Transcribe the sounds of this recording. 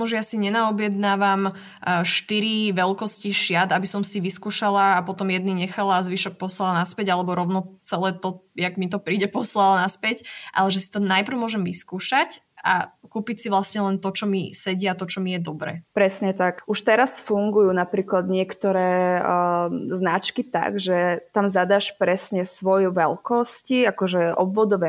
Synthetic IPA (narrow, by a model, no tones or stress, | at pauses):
muʒɛjasiɲɛnaɔbjɛd̪naːʋam | ʃt̪iɾiʋɛlkɔsciʃjad̪abisɔmsiʋiskuːʃalaːpɔt̪ɔmjɛd̪niɲɛxalazʋiʃɔk̚pɔslalnaspɛɟalɛbɔɾɔʊnɔt͡sɛlɛːt̪ɔjaɡmit̪̬ɔpɾiːɟɛpɔslalanaspɛcʔa̰lɛʒɛsi̥t̪ɔnajpr̩ʊmʊɔʒɛmʋiskuːʃac | akuːpicsiʋlasɲɛlɛnt̪ɔt͡ʃɔmisɛɟiat̪ɔt͡ʃɔmijɛd̪ɔbɾɛ̰ːpɾɛsɲɛt̪akʔuʃt̪ɛɾasfuŋɡujuːnapɾiːklad̪ɲɪɛkt̪ɔɾɛː | znat͡ʃkit̪a̰ɡʒɛt̪amzad̪aːʃpɾɛsɲɛsʋɔjʋɛlkɔsciakɔʒɛʔɔbʋɔd̪ɔʋɛ